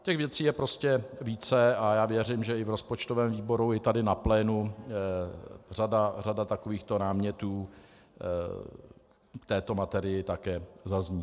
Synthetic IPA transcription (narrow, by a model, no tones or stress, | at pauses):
cɛɣvjɛt͡siːjɛpɾo̞scɛviːt͡sɛajaːvjɛrɪmʒɛɪvɾo̞spot͡ʃt̪ovɛːmviːbo̞ɾuɪt̪adɪnaplɛːnu | radaradat̪akoviːxt̪o̞naːmɲɛt̪uː | kt̪ɛːt̪o̞mat̪ɛɾɪjɪt̪akɛːzazɲiː